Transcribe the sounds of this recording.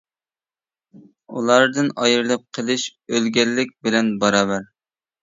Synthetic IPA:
ulˠɑɾd̪ɨnɑjɨɾlˠɨp̚qʰəlˠɨʃølɡʲɛlːɪk̚ʲbɪlɛnbɑɾɑːbæɾ

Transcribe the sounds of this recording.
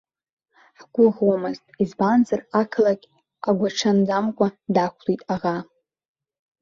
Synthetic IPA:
ħɡʷʊʁomɨztʼizbanzarakʰlaɡʲʼ | aɡʷaʈ͡ʂʰand͡zamkʷʰʼadakʷʰlitʼaʁa

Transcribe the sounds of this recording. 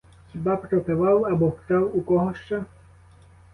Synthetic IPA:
xʲibapɾɔpeʋɑwɐbɔxt̪ɑwukɔɦɔʃt͡ʃa

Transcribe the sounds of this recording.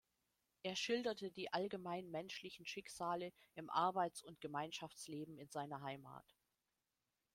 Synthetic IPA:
ʔeːɐʃɪldɐtədiːʔalɡəmaɪnmɛnʃlɪçn̩ʃɪkz̥aːləʔɪmʔa̰ɐbaɪt͡sʊntɡ̥əmaɪnʃaft͡sleːbm̩ɪnzaɪnɐɦaɪma̰ːt

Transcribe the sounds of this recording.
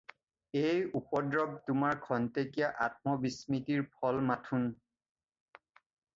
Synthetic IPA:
ejupɔdɹɔb̚tʊmaɹkʰɔntekijaʔa̰t̚mɔbismitiɹpʰɔlmatʰun

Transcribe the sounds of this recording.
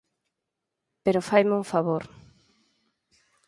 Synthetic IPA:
peɾofajmuŋfaβoɾ

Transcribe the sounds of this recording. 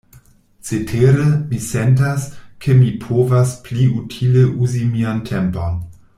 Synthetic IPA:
t͡setʰeɾemisentaskʰemipʰovaspliutʰileʔuzimiantʰempon

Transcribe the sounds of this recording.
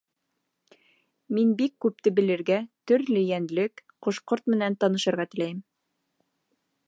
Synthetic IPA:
minbikːʉp̚t̪ɘbɘ̆lɘ̆ɾɡæt̪ɵ̆ɾlɘjænlɘkqŏʃqoɾt̪mɘ̆nænt̪ɑnɤ̆ʃɤ̆ɾʁɑt̪ɘ̆læjɘm

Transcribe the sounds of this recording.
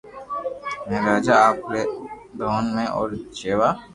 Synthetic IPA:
mẽɾaːd͡ʒaaːpɾed̪ʱoːnmẽʔɔːɾt͡ʃeːʋaː

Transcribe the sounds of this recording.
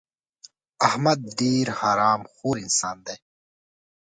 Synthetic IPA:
ɐhmɐd̪̚ːiːɾhaːɾaːmxuːɾinsaːnd̪eː

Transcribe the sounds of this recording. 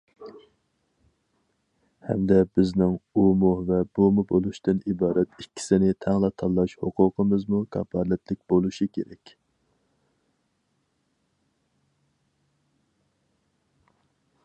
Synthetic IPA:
hɛ̰md̪ɛbɪznɪŋumuvɛb̥umubolˠuʃt̪ɨnibɑːɾɛt̪ikʲʰːi̥sɪnɪt̪ʰɛŋlˠɑt̪ʰɑlˠːɑʃhoqʰʊqʰəmɨzmukʰɑ̰pɑɾlɛt̪lɪk̚ʲbolˠuʃikʲʰeɾɛ̰kʲ

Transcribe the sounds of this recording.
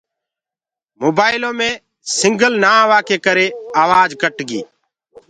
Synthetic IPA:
moːbaːɪlõːmẽː | sɪŋɡəlnaːʋaːkeːkəɾeːaːʋaːd͡ʒkəʈɡiː

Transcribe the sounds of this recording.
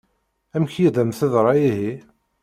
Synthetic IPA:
æmçjiðæmθəðɾˤɑjiɦi

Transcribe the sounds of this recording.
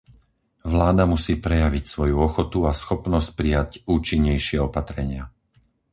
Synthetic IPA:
ʋlaːd̪amusiːpɾɛjaʋicsʋɔjuɔxɔt̪uasxɔpnɔsc̚pɾijacuːt͡ʃiɲːɛjʃɪɛɔpat̪ɾɛɲɪa

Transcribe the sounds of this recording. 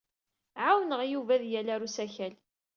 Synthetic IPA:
ʕawnəʁjuvæðjælæɾusæçæl

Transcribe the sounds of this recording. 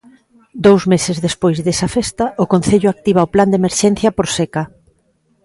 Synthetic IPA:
d̪owzmesɪzðespojzðesɐfest̪ɐʔʊkon̟θeʎʊak̚t̪iβ̞aopland̪emeɾʃɛn̟θjɐpoɾsekɐ

